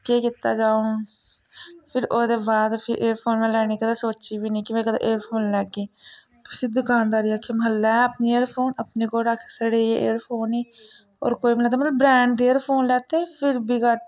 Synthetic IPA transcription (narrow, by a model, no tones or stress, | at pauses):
keːkɪt̪a̰ːd͡ʒaːõː | pʰɪɾoːd̪eːbaːd̪pʰɪʔeːɾpʰoːnmẽːlɛːɽiːkəd̪eːsoːt͡ʃiːbiːnĩːkɪmẽːkəd̪ḛːʔeːɾpʰoːnlɛːɡeː | psɪd̪ʊkaːnd̪aːɾiːaːkʰːeːməɦəlːaəpniːeːɾpʰoːnəpneːkoːɾəkʰsəɽeːeːʔḛːɾpʰoːniː | ɔ̰ːɾkoːiːmələt̪eːmət̪ləbɾɛːɳɖd̪iːeːɾpʰoːnlɛːt̪eːpʰɪɾbʱiːkəʈ